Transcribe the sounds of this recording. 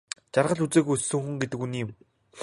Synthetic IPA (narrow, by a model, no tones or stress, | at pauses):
t͡ɕarʁə̆ɮut͡seːɣussɘ̆ŋxŭŋɡet̪ɘ̆kuniːɪ̆m